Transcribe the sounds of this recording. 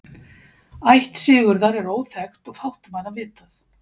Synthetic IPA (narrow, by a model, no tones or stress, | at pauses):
ajht̪sɪːɣʏɾðaɾɛɾoːwθɛxt̪ɔɣfawht̪ʏmaːɾavɪːt̪aθ